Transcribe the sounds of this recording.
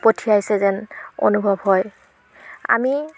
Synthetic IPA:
potʰiajsɛzɛno̰nubʱɔbɦɔj | a̰mi

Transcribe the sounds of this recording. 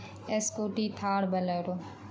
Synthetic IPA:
eskoːʈiːt̪ʰaːɽbʱələjɾoː

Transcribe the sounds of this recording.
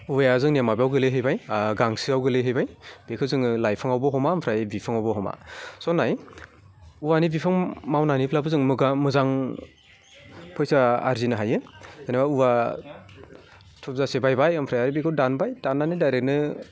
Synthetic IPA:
ujazɯŋnemabijawɡɯleɦɯjbajɡaŋsiawɡɯleɦɯjbajb̥ekʰɯzɯŋlajpʰɯŋawbɔɦɔmaɯmpʰɾajbipʰɯŋawbɔɦɔma̰sɔnaj | uwanibipʰɯŋmawnanipʰlabɯzɯŋmɯɡamɯzaŋ | pʰɔjsaaɾzinɯɦajɯɯnabauwa | tʰɔp̚zasebajbajɯmpʰɾajaɾibekʰɯwdanbajdanːanidajɾek̚nɯ

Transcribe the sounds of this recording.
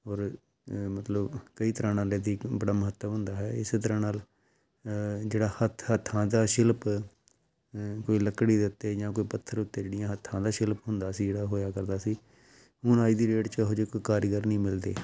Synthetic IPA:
ɔːɾ | mət̪ləbkəiːt̪əɾãːnaːleːd̪iːbəɽaːməɦət̪ːəmɦʊ̃nd̪aːɦɛːɪseːt̪əɾãːnaːl | d͡ʒeːɽaːhət̪ʰhət̪ʰːãːd̪aːʃɪlp | koːiːləkːɽiːd̪ɪʊt̪ːeːd͡ʒãːkoːiːpət̪ʰːəɾʊt̪ːeːd͡ʒeːɽɪjãːɦət̪ʰːãːd̪aːʃɪlpɦʊnd̪aːsiːd͡ʒeːɽaːɦoːjaːkəɾd̪aːsiː | ɦʊɳaːiːd̪iːɾeːʈt͡ʃəɦʊd͡ʒkːkaːɾɡəɾnĩːmɪld̪eː

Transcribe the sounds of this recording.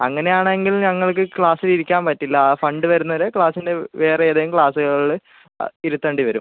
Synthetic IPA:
ɐŋːɐne̞jaːɳeŋɡilɲɐŋːɐɭkɨkɭaːsiliɾikʲːaːnpɐtːilːɐfɐɳɖɨʋɐɾunːɐɾekɭaːsinde̞ʋe̞ːreeːðejumkɭaːsuɣɐɭ | iɾut̪ːɐɳɖiʋɐɾṵm

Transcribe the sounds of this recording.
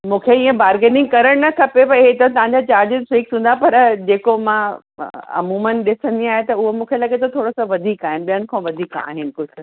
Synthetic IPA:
mũːkʰeĩːẽbaːɾɡeːʈɪ̃ŋɡkɐɾəɽ̃nɐk̪ʰɐpepɐɪɦet̪ɐt̪̬ɐʋ̤ãɲd͡ʑat͡ɕaːɾd͡ʑɪzfiːksũːn̆d̪apɐɾd͡ʑeːkomã | ɐ̰muːmənɗɪsə̃nd̪iaːɦet̪ɐʊɦomũːkʰelɐɠet̪ʰot̪ʰoːɽosɔ̃ʋɐd̪ʱiːkaːɦɪnɪ̆ɓijənɪ̆kʰãːʋɐd̪ʱiːka̰ːɦɪnɪ̆kʊd͡ʑʰ

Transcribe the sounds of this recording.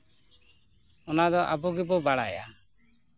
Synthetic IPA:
ɔnad̪ɔʔabɔɡɛbɔbaɽa̰ja̰

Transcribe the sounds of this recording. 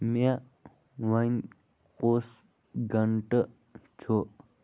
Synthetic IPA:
ma | ʋan | kos | ɡəɳʈə | t͡ʃʰo

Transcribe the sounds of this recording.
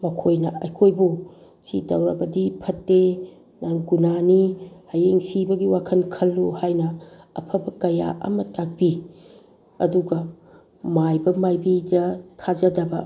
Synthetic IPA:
mɐkʰojnɐɐjkʰojbu | sidɐwɾɐbɐdipʰɐtːe | naŋɡunanihajeŋsibɐɡiwakʰɐnkʰɐlːuhajnɐ̰ːpʰɐbɐkɐja̰ʔɐ̰mɐtak̚bi | ɐ̰duɡɐ | majbɐmajbidɐtʰad͡ʒɐdɐbɐ̰

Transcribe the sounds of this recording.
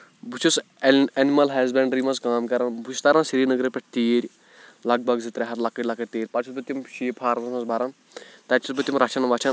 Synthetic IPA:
but͡ʃʰus | ɐnimɐlɦɐzbɛɳɖɾiːmɐzkaːmkɐɾɐnbut͡ʃʰust̪ɐɾãnsiɾiːnɐɡɾepʲɛʈ̚ʰt̪eːɾʲ | lɐɡ̚bʱɐɡzit̪ɾeɦɐt̪lɐkːɐʈʲlɐkːɐʈʲt̪eːɾʲpɐʈt͡ʃʰisbɐt̪ʲːimʃiːpʰaːɾmɐzmɐzbʱɐɾɐn | t̪ɐʈt͡ʃʰisbɐt̪ʲːimɾɐt͡ʃʰɐnʋɐt͡ʃʰɐn

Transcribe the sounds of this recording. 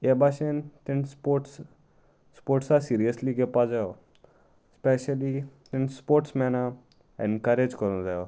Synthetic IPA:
ebaːʃent̪ɪnpoʈs | spoːɾʈsasiːɾijəsliɡepad͡ʒao | spɛʃəlit̪ɪnspoːɾʈsmɛna | ɛ̰̃nkɐɾed͡ʒkəɾnzajo

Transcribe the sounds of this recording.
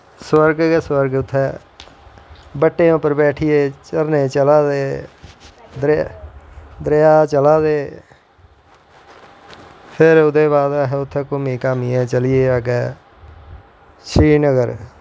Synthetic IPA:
swəɾɡɡeswəɾɡʊt̪ʰːɛː | bəʈːẽːʊpəɾbɛːʈʰɪjeːt͡ʃəɾneːt͡ʃəlaːd̪eː | d̪ | d̪ɾejaːt͡ʃəlaːd̪eː | pʰɪɾʊd̪eːbaːd̪aːɦɛːʊt̪ʰːɛːkʊmiːkaːmiɛ̃ːt͡ʃəlɪeːaːɡɛː | ʃiːnəɡəɾ

